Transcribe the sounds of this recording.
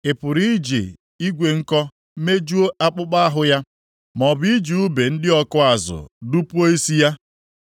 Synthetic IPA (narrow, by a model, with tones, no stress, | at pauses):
e˨pʊ˨ɾi˦d͡ʒḭ˨ | i˦ɡʷe˨ŋ̩˦kɔ˦ | me˦d͡ʒu˦o˦ʔa˦k͡pʊ˦k͡pa˦a˦ɦʊ˨ja˦ | mɔ˨bi˦d͡ʒi˨u˦be˨n̩˦dɪ˦ɔ˦kʊ˦a˨zʊ̰˨du˦pu˦o˦i˦si˦ja˦